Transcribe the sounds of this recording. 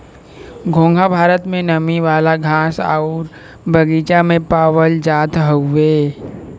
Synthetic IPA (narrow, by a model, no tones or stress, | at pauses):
ɡʱõːŋɡʱabʱaːɾət̪mẽnəmiʋaːlaɡʱaːsa̰ʊɾ | bʱəɡiːt͡ʃamẽpaːʋəld͡ʒaːt̪ɦəːeː